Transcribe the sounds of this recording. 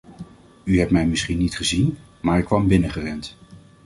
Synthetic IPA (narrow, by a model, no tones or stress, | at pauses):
yɦɛptmɛjmɪsχinːitχəzin | maːɹɪkːʋɑmbɪnəχərɛnt